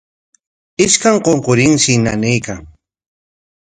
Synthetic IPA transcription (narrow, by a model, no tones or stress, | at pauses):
ɪʃkaŋqoɴqoɾɪŋʃɪna̰nɪjkaŋ